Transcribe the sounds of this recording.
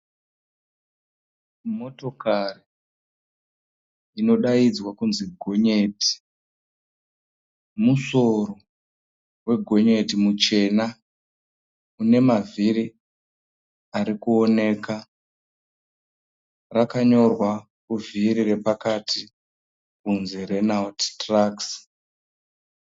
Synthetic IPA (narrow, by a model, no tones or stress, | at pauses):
mo̞to̞kari | ino̞ɗaid͡zwakunziɡʱo̞ɲe̞ːti̥ | muso̞ro | we̞ɡʱo̞ɲe̞timut͡ʃe̞na | une̞mavʱiɾi | aɾikuo̞ne̞ːka | rakaɲo̞rwa | kuvʱiɾire̞pakatʰi | kunzirenalttraks